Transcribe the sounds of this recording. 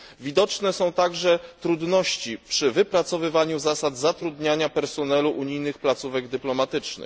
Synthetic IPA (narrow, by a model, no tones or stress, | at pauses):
vʲid̪ɔt͡ʂnɛsɔ̃w̃t̪aɡʐɛt̪ɾud̪nɔɕt͡ɕipʂɘvɘpɾat̪sɔvɘvaɲuzasad̪zat̪ɾud̪ɲaɲapɛɾsɔnɛluʔuɲijnɘxplat̪suvɛɡd̪ɘplɔmat̪ɘt͡ʂnɘ̰